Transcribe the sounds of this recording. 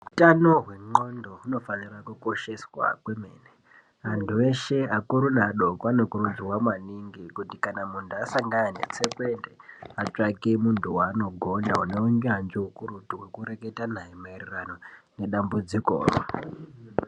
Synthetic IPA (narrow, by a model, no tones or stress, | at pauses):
utanoɦwe̞ŋ͡ǃo̞ndo̞uno̞fanirakuko̞ʃe̞swa̰kweme̞̰ːne | antʰue̞ʃe̞akuɾunaɗo̞koano̞kuɾud͡zwamwaniŋɡikutikanamuntʰuasaŋɡananḛt͡sekwe̞ndeat͡ʂakemuntʰuwano̞ɡʱo̞nauneuŋɡeɦand͡ʒeukuɾutuwe̞kuɾe̞ke̞tanaimeirirano̞ne̞ɗambud͡ziko̰ːro̰